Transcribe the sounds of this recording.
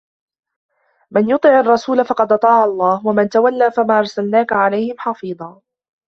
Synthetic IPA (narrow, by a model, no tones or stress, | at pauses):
mɪnjʊt̪ˤɨʕɑrˤːɑsuːlafɑqɑd̪ʔɑt̪ˤɑːʕɑlˤːɑːhwamɪnt̪awalːaːfamaːʔɑɾˤsalnaːkaʕalajhɪmħɑfiːðˤɑː